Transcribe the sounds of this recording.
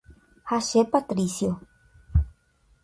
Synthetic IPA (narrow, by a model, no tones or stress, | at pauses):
haʃepat̪ɾisjo